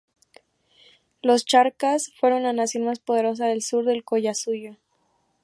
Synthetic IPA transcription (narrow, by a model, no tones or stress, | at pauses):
lo̞st͡ʃaɾkasfwe̞ɾo̞nlanasjo̞nmaspo̞ð̞e̞ɾo̞s̬aðe̞lsuɾðe̞lko̞ʝasuʝo